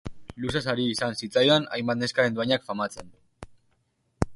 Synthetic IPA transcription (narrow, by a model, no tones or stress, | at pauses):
lusasaɾiːsansit͡sajoana̰jmbat̪̚ne̞skaɾe̞nd̪uaɲakfamat͡se̞n